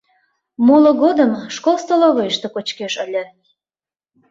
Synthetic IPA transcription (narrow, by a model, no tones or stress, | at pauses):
moloɣod̪əmʃkolˠst̪oloɣəjəʃt̪ə̆kot͡ɕkeʃəlʲə̆